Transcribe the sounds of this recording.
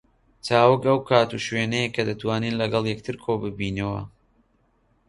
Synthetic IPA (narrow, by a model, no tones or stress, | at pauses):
t͡saːwɨkɐwkʰaːt̪uʃweːnɛjekʰɐd̪ɨt̪waːniːnlɐɡɐlˠjɛk̚t̪ʰɨɾkʰoːbɨbiːnɐwɐ̰